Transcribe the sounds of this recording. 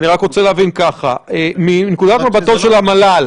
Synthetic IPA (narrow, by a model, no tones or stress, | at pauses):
niʁakʁot͡seleavinkaχa̰eminekud̪at̪mabat̪ovʃe̞lamalal